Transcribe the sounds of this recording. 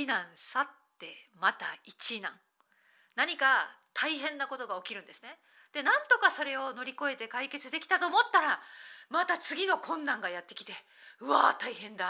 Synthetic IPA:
inãɰ̃sat̪ːe̞̰mat̪ait͡ɕinã̰ŋ | naɲ̟ika | t̪ʰaiɦẽ̞nːako̞t̪o̞ɡao̞kʲiɾɯ̟̃nd̪e̞sɨne̞ | d̪̥e̞nãnt̪o̞kaso̞ɾe̞o̞no̞ɾʲiko̞e̞t̪e̞kaike̞t͡sɨd̪e̞kʲi̥t̪at̪o̞ːmot̪ːaɾamat̪at͡sɨɡʲino̞kʰõ̞nːãŋɡajat̪ːe̞kʲi̥t̪e̞ | ɯ̟βaːt̪aiɦẽ̞nd̪a

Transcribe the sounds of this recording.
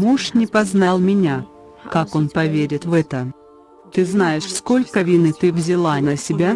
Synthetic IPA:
muʂnʲɪpɐznalˠmʲɪnʲa | kako̞npɐvʲeɾʲɪt̪vɛt̪ə | t̪ɨznajɪʂsko̞lʲkəvʲinɨt̪ɨvzʲɪlˠanəsʲɪbʲa

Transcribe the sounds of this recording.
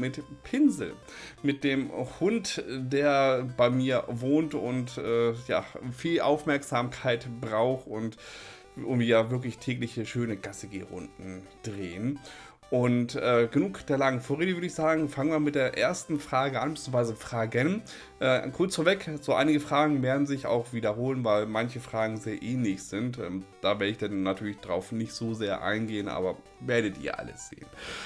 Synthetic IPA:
mɪtpʰɪnzl̩ | mɪt̚d̥eːmhʊntd̥eːɐbaɪmiːɐvoːntʊ̰ntʔɛːja̰ːfiːlʔa̰ʊfmɛɐkz̥aːmkʰaɪtbʁaʊxʊnt | ʔʊmvijaːvɪɐk̬lɪçtʰɛːklɪçəʃøːnəɡasəɡḛːʁʊ̰ndn̩d̥ʁeːən | ʔʊntʔɛːɡənuːkd̥eːɐlaŋənfoːɐʁeːdəvʏɐdəɪçz̥aːɡŋ̩faŋənmamɪtd̥eːɐʔeːɐstn̩fʁ̥aːɡəʔanbɪt͡suːv̥aɪzəfʁ̥aːɡən | ʔɛːkʰʊɐt͡sfoːɐvɛkz̥oːʔa̰ɪnɪɡəfʁ̥aːɡŋ̩mɛːɐdn̩zɪça̰ʊxv̥iːdɐɦoːlənvaɪlmançəfʁ̥aːɡŋ̩zeːɐʔɛːnlɪçz̥ɪntʔɛ̰ːmd̥aːvɪɐəɪçd̥anːatʰyːɐlɪçd̥ʁaʊfnɪçtz̥oːzeːɐʔa̰ɪnɡeːənʔa̰ːbɐ | veːɐɾətḭːɐʔa̰lə̰sz̥ḛːən

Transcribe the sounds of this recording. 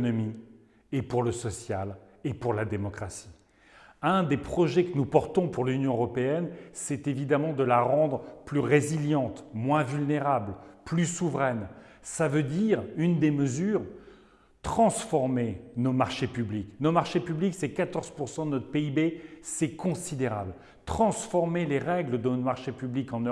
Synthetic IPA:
nɔmi | epuʁləsɔsjal | epuʁlad̪emɔkχasi̥ | ɛ̃d̪epχɔʒɛkənupɔʁt̪ɔ̃puʁlynjɔ̃øʁɔpeɛnsɛt̪evid̪amɑ̃d̪əlaʁɑ̃d̪ʁplyʁeziljɑ̃t̪mwɛ̃vylneʁablplysuvʁɛn | savød̪iʁynd̪eməzyːʁ | t̪χɑ̃sfɔʁmenomaʁʃepybliknomaʁʃepybliksɛkat̪ɔʁz̥puʁsɑ̃d̪ənɔt̪χəpeibesɛkɔ̃sid̪eʁa̰bl | t̪χɑ̃sfɔʁmeleʁɛɡləd̪əmaʁʃepyblikɑ̃nø

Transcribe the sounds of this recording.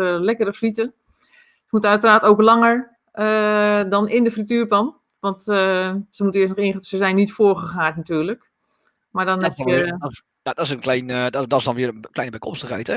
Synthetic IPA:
əlɛkərəfritə | səmutəœɥtəraːtoːklɑŋəɹ | ədɔnɪndəfrityːɹpɔn | ʋɔntəsəmutənɪːsnɔxɪnsəzɛjnːitfoːɹɣəxaːtnatyːɹlək | maɹdɔnɛpə | jadɔɪsənklɛjndɔɪsdɔnʋɪːrəklɛjnəbɛjkʰɔmstəχɛjtɛ

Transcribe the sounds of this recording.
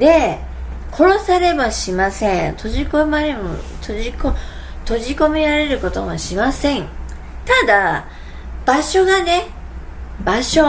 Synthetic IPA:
d̪e̞ | kʰo̞ɾo̞saɾe̞baɕimasẽ̞nt̪ʰo̞ʑikomaɾemo̰t̪ʰoʑiko | t̪o̞ʑiko̞meɾaɾe̞ɾɯ̟ko̞t̪o̞̰maɕimasẽ̞ŋ | t̪ad̪a | b̥aɕo̞ɡane̞ | baɕo̞

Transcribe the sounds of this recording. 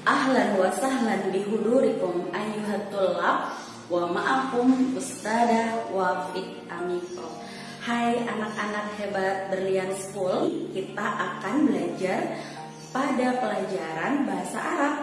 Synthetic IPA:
ʔaɦlanwasaɦlandiɦuduɾikɔmajuɦat̪ulap̚ | wamaʔafumust̪adawafik̚ | ʔamikɔ | hajanak̚anak̚hebat̪̚bərliansə̥kulkit̪aʔakanbəlad͡ʒar | padapəlad͡ʒaɾanbaɦasa̰ʔaɾap̚

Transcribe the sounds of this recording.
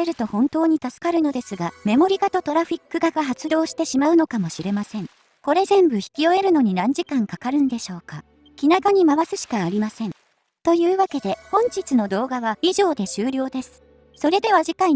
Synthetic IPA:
eɾɯ̟t̪o̞hõ̞nt̪o̞ːɲ̟it̪asɨ̥kaɾɯ̟no̞d̪e̞sɨɡame̞mo̞ɾʲiɡat̪o̞t̪o̞ɾaɸʲikːɯ̟ɡaɡaɦat͡sɨd̪o̞ːɕi̥t̪e̞ɕimaɯ̟no̞kamo̞ɕiɾe̞masẽ̞ŋ | ko̞ɾe̞zẽ̞mbɯ̟çi̥kʲio̞e̞ɾɯ̟no̞ɲ̟inãɲ̟d͡ʑikãŋkakaɾɯ̟̃nd̪e̞ɕo̞ːka | kʲinakaɲ̟imaβasɨɕi̥kaːɾʲimasẽ̞n | t̪o̞jɯ̟ːβake̞d̪e̞hõ̞ɲ̟t͡ɕit͡sɨno̞d̪o̞ːɡaβaiʑo̞ːd̪e̞ɕɨːɾʲo̞ːd̪e̞sɨ̥ | so̞ɾe̞d̪e̞βaʑikai

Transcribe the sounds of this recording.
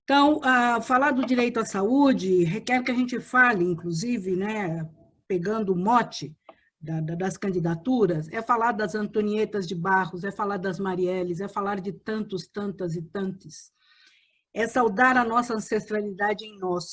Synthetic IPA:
ẽt̪ɐ̃w̃afalaɾd̪ʊd͡ʒiɾejt̪ʊɐsaud͡ʒɪɦekɛɾkɪɐʒẽnt͡ʃɪfalɪĩŋkluzivɪnɛ | peɡɐ̃nd̪ʊmɔt͡ʃɪ | d̪ɐd̪ɐd̪ɐskɐ̃nd͡ʒid̪at̪uɾɐsɛfalaɾd̪ɐzɐ̃nt̪õniet̪ɐzd͡ʒɪbahʊzɛfalaɾd̪ɐzmaɾiɛlɪzɛfalaɾd͡ʒɪt̪ɐ̃nt̪ʊst̪ɐ̃nt̪ɐzɪt̪ɐ̃nt̪ɪs | ɛsawd̪aɾɐnɔsɐɐ̃sest̪ɾalid̪ad͡ʒɪẽj̃nɔs

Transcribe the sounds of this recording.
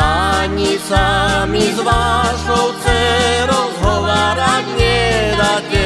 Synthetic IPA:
aɲisamizvaːsowt͡sɛɾozɦovaɾaɲɛdakɛ

